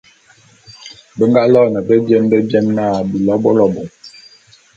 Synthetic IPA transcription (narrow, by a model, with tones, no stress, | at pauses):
bə˦ŋɡa˦lɔ˦nɛ˨bə˦bjɛ˦nbɛ˦bjɛ˦nːa˦˨bi˨lɔ˦bɔ˦lɔ˦bɔ˨